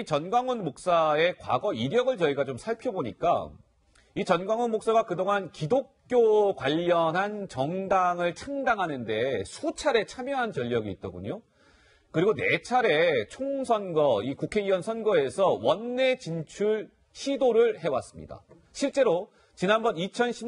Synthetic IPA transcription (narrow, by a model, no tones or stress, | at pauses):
it͡ɕʌnɡwaŋʌnmok̚s͈ae̞kwa̰ɡʌiɾjʌɡɯɭt͡ɕʌiɡat͡ɕomsʰaɭpʰjʌboɲik͈a̰ | it͡ɕʌnɡwaŋʌnmok̚s͈aɡakɯdoŋankidok̚k͈jokwaʎːʌnɦant͡ɕʌŋdaŋɯɭt͡ɕʰaŋdaŋɦanɯnde̞sʰut͡ɕʰaɾe̞t͡ɕʰamjʌɦant͡ɕʌʎːʌɡiːt̚t͈ʌɡuɲo | kɯɾiɡone̞t͡ɕʰaɾe̞t͡ɕʰoŋsʰʌnɡʌikukʰe̞iwʌnsʰʌnɡʌe̞sʰʌwʌnːe̞t͡ɕint͡ɕʰuɭ | ɕʰidoɾɯɭɦe̞was͈ɯmɲḭda̰ | ɕʰiɭt͡ɕ͈e̞ɾo | t͡ɕinanbʌnit͡ɕʰʌnɕʰi